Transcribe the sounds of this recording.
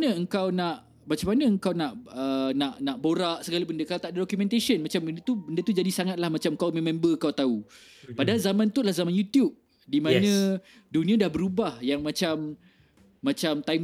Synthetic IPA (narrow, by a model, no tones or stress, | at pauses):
nə̃əŋkawnaʔ | mat͡ʃamanə̃əŋkawnaʔənãʔnãʔboɾaʔsəɡalibəndəkalat̪aʔdadɔkjumɛ̃nt̪asənmat͡ʃambəndət̪ubəndət̪ud͡ʒadisaŋat̪̚lahmat͡ʃamkawmɛ̃mɛ̃mbəkawt̪au | padaalzamãnt̪ulahzamanjut̪jub̚ | dimãnã | dunĩãdahbəɾubahjaŋmãt͡ʃamː | ãt͡ʃamt̪ajm